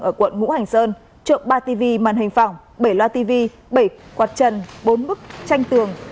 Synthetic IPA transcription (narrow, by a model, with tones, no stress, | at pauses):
ʔəː˧˩kwə̰˧˨nŋṵ˧˥ha˨˩jŋ̟səː˧n | t͡ɕo̰˧˨ŋ͡mɓaː˧t̪i˧vi˧maː˨˩nhï˨˩ŋ̟fa˨˩wŋ͡m | ɓə˧˩jlwaː˧t̪i˧vi˧ | ɓə˧˩jkwaː˨˩t̚t͡ɕə˨˩nɓo˨˦nmɨ˦˥k̚t͡ɕa˧jŋ̟t̪ɨ˨˩əŋ